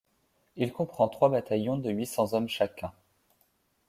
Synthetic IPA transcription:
ilkɔ̃pχɑ̃t̪χwabat̪ajɔ̃d̪əɥisɑ̃zɔmʃakʲɛ̃

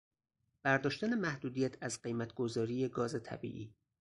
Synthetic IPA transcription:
b̥æɾd̪ɒːʃt̪æne̞mæhd̪uːd̪ijæt̪ʰæzɢe̞jmæt̪ʰɡ̥o̞zɒːɾiːje̞ɡɒːze̞t̪ʰæ̰bḭːʔiː

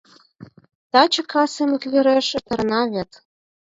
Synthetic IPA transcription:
t̪ɑt͡ɕə̆kʰɑsemɘ̆kβeɾeʃɘ̆t̪ɤ̆rnɑβʲet̪

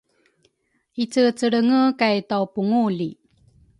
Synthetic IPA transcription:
ʔit͡sət͡səɭəŋəkajtawpuŋuli

